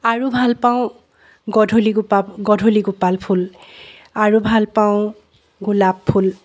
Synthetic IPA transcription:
aɹubʱalpaʊ̃ | ɡɔdʱoliɡupaɡɔdʱoliɡupalpʰul | aɹubʱalpaʊ̃ | ɡulapʰːul

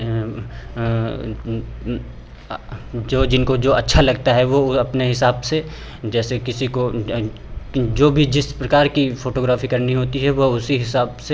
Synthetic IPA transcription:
d͡ʒoːd͡ʒɪnkod͡ʒoːɐtːʃʰalɐɡt̪aɦɛʋoɐpneɦɪsaːbse | d͡ʒɛːsekɪsiko | d͡ʒoːbʱid͡ʒɪspɾɐkaːɾkifoːʈoːɡɾaːfikɐɾniɦoːt̪iɦɛʋoʊsiɦɪsaːbse

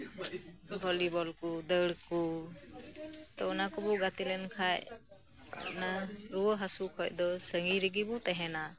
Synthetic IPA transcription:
bʱɔlibɔlkud̪əɽku | t̪ɔɔnakubɔɡat̪ilɛnkʰaj̰ | naɾuɔɦasukʰɔjd̪ɔsəŋɡiɾiɡibɔt̪ɛɦɛna

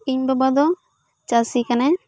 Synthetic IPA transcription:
iɲbabad̪ɔ | t͡ʃasikanɛ

